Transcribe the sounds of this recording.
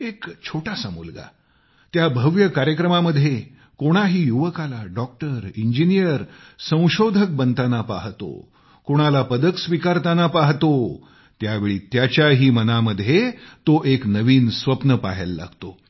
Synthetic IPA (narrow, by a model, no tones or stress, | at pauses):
ekt͡ɕʰoʈasamulɡa̰ | t̪jabʱəʋjəkaɾjəkɾəmaməd̪ʱje | koɽ̃aɦiːjuʋəkalaɖɔk̚ʈəɾiɲd͡ʑinijəɾsə̃w̃ɕod̪ʱək̚bənt̪anapa̰ɦt̪o̰ | koɽ̃alapəd̪əksʋikaɾt̪anapaɦt̪o | t̪jaʋeɭiːt̪jat͡ɕjaɦiːmənaməd̪ʱjet̪oʔeknəʋiːnsʋəpnəpaɦḛlːa̰ɡt̪o